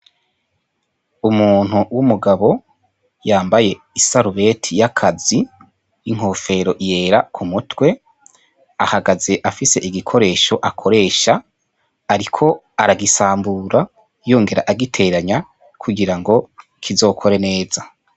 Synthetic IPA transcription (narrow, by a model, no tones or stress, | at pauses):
umuːn̥uwumuɡaβo̞ | jaːmbaje̞ | isaɾuβe̞tʰijakʰazi | jiŋ̥ho̞ːfe̞ɾo̞ʔije̞ːɾakʰumutwe̞ | a̰haɡaze̞ʔafise̞ʔiɡikʰo̞ɾe̞ːʃo̞ʔakʰo̞ɾe̞ːʃaː | ɾikʰo̞ | aɾaɡisaːmbuɾa | joːŋɡe̞ɾa̰ʔaɡitʰe̞ɾaɲa | kʰuɡiɾaŋɡo̞ | kʰizo̞ːkʰo̞ɾe̞ne̞ːz̥a